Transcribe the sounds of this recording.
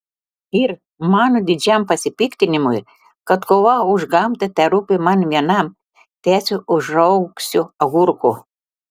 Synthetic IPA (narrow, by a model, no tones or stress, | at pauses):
ɪɾ | mɑːnod̪ʲɪd͡ʒʲɛmpɐsʲɪpʲikt̪ʲɪnʲɪmʊj | kɐt̪koʋɐʊʒɡɐmt̪ɐt̪ʲɛɾupʲɪmɐnʋʲiɛnɑm | t̪ʲæːsʲʊʊʒɐʊksʲʊɐɣuɾkʊ